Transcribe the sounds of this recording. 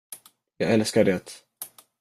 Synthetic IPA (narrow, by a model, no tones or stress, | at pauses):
jɑːɡɛlskaɖeːt̪